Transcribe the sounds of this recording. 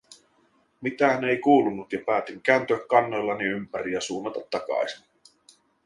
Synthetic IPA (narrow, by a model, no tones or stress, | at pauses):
mit̪æːnejkuːlunːut̪jɑpæːt̪iŋk̟æːnt̪yækːɑnːo̞jlːɑniympæɾiæsuːnːɑt̪ɑt̪ːɑkɑ̰jsin